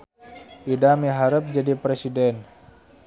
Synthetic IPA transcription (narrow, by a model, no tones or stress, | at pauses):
idamiɦaɾəp̚d͡ʒadipɾesidɛn